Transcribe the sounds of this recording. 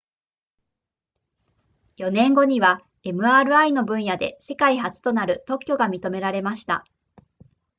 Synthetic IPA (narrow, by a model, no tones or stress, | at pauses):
jo̞nẽ̞ŋɡo̞ɲ̟iβa | e̞mɯ̟aːɾɯ̟aino̞bɯ̟̃ɰ̃jad̪e̞̰se̞kaihat͡sɨ̥t̪o̞naɾɯ̟t̪o̞kʲːo̞ɡamʲit̪o̞me̞ɾaɾe̞maɕi̥t̪a̰